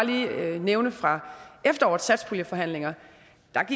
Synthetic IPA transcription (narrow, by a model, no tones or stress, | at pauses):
liːneʊnəfʁɑ̈efd̥ɐɒ̰ɐ̥sæd̥spʰoljəfɒ̽ɦæn̰le̝ŋɐ | d̥ɑ̈ɡ̥i